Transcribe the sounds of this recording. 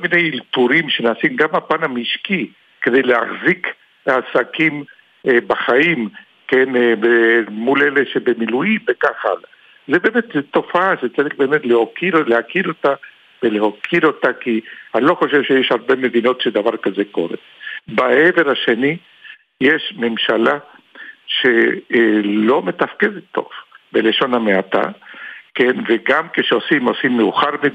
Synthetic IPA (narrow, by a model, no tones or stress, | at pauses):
kolminejiltuɾimʃenaːsimɡamapanamiʃki | ked̪ejlehaχzik | lehasakim | baχaim | kenvemuleleʃebemilujimbekaχa̰la | zebemet̪zt̪o̞faaʃet͡saʁiχbe̞ːmet̪lehokiɾlehakiɾo̞t̪a | velehokʰiɾo̞t̪akihalo̞χo̞ʃevʃejeʃhaʁbeme̞d̪ino̞t̪ʃed̪avaʁkazeko̞̰ɾḛ | baeve̞ɾhaʃe̞ni | jeʃme̞mʃala | ʃe | lo̞me̞t̪afkedet̪ːo̞̰vbeleʃo̞nameat̪a̰kenveɡamkeʃeosimosimːeuχaʁme